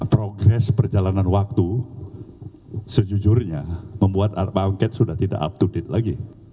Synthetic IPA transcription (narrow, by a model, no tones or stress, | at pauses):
pɾoɡɾɛspərd͡ʒalananwak̚t̪u | səd͡ʒud͡ʒʊrɲaməmbuat̪̚abaŋkɛt̪̚sudaht̪ida̰ʔa̰p̚t̪udɪt̪̚laɡi